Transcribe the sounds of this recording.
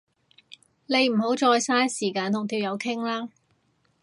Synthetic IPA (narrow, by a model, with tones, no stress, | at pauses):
le˨˧jm̩˨˩ɦo˨˥wt͡ʃɔː˧jsaː˥nsiː˨˩kaː˧nt̪ʰʊ˨˩ŋt̪ʰiː˧wjɐ˨˧wkʰɪ˥ŋlaː˥